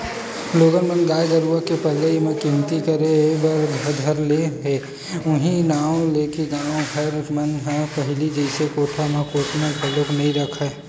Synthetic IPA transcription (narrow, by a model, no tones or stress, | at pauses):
loːɡənmənɡaːjɡəɾuəkepəlːəimẽkɪmt̪ikəɾebəɾɡʱəd̪ʱəɾleɦeː | ʊɦĩnaːõleːkeɡaːʋõɡʱəɾmənɦẽpəɦɪlid͡ʒəɪsekoːʈʰamẽkoːʈʰmẽpʰəlːoknɐɦĩɾəkʰa